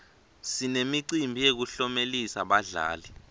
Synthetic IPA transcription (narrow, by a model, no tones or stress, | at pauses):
sinemiǀimbʱijek̬uɬɔmelisaɓaɮa̰ːli